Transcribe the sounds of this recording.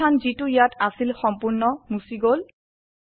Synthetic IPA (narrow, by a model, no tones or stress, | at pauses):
anzitʊjatasilxɔmpuɹnɔmusiɡol